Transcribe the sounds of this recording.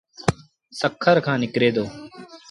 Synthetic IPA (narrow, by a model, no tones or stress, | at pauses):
səkʰːəɾkʰãːnɪkɾeːd̪oː